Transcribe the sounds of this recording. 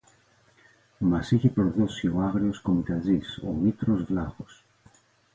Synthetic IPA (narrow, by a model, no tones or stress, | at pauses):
masiʝepɾoðosjoaɣɾioskomit̪aziso̰mit̪ɾozβlaɣos